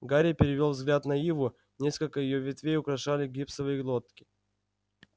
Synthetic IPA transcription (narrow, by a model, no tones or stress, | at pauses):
ɡaɾʲɪpʲɪɾʲɪvʲo̞lˠvzɡlʲat̪nɐjivʊ | nʲe̞skəlʲkəjɪjo̞vʲɪt̪vʲejʊkɾɐʂalʲɪɡʲipsəvɨjəɡlˠot̪kʲɪ̥